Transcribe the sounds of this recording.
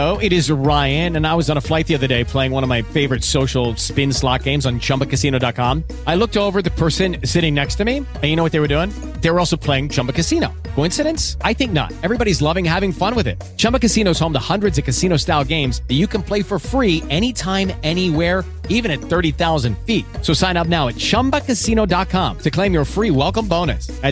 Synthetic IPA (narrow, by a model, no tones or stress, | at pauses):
oʊɪɾɪzɹaɪɨ̃nɨ̃naɪwʌzn̩əflaɪt̪̚ðiʌðə˞deɪpʰl̥eɪɪ̃ŋwʌ̃nʌvmaɪfeɪvə˞ɨtsoʊʃl̩ˠspɪ̃nslɑk̚ɡ̥ẽɪ̃mzn̩t͡ʃʰʌ̃mbɨkɨsĩñoʊdɑt̚kʰɑ̃m | aɪlʊk̚toʊvə˞ðɨpʰɜ˞sɨ̃nsɪɾɪ̃ŋnɛkstʰɨmi | ɨ̃njɨñoʊwʌt̪̚ðeɪwə˞dʉɪ̃ŋ | ðeɪwə˞ɔlˠsoʊpʰl̥eɪɪ̃ŋt͡ʃʰʌ̃mbɨkɨsinoʊkʰoʊɪ̃nsɨɾɨ̃nsaɪθɪ̃ŋk̚nə̰ɾ̚ɛvɹibɑɾizlʌvɪ̃ŋhævɪ̃ŋfʌ̃nwɨðɪ̰t̚t͡ʃʰʌ̃mbɨkɨsĩnoʊz̥õʊ̃mðəhʌ̃ndɹɨdzʌv̥kɨsĩñoʊstaɪlˠɡẽɪ̃mzɨt͡ʃɨkɨ̃n̩pʰl̥eɪfə˞fɹiɛñitʰãɪ̃mɛniwɛɹ | ivɨ̃ñɨt̪̚θɜ˞ɾiθaʊzɨ̃nd̥fit̚soʊsãɪ̃ñʌp̚naʊɨt̚t͡ʃʰʌ̃mbəkɨsĩnoʊdɑt̚kʰɑ̃mtʰɨkʰl̥ẽɪ̃mjə˞fɹiwɛlˠkə̃mbõʊ̃nɨ̰sɨ